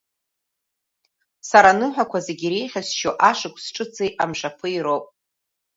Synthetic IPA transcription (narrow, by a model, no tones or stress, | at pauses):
saɾanɨħʷᶣakʷʰazeɡʲiɾejχʲasʃoʔaʂɨkʷʰʼsʈ͡ʂʼɨt͡sʰʼejʔamʂapʰɨiɾowpʼ